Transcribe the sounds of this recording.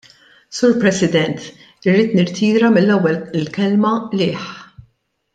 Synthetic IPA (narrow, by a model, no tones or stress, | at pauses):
suːɾpɾɛsɪd̪ɛnt̪ | rːiːt̪nɪɾt̪ʰiːɾɐmɪlːɛwːɛllkɛlmɐlɪːħ